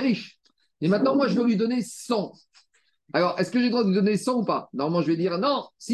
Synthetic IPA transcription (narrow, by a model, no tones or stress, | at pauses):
ʁiʃ | emɛ̃t̪̚nɑ̃mwaʒəvəlɥid̪ɔnesɑ̃ | alɔʁɛskəʒed̪ʁwãd̪əvud̪ɔnesɑ̃upa̰nɔʁmalmɑ̃ʒəvɛd̪iʁnɔ̃si